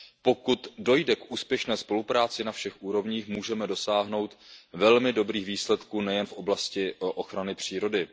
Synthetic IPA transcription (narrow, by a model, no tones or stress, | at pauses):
po̞kut̪do̞jdɛkʔuːspjɛʃnɛːspo̞lupɾaːt͡sɪnafʃɛxʔuːɾo̞vɲiːxmuːʒɛmɛdo̞saːɦno̞wt̪vɛlmɪdo̞bɾiːxviːslɛt̪kuːnɛjɛnfʔo̞blascɪʔo̞xɾanɪpr̝̥iːɾo̞dɪ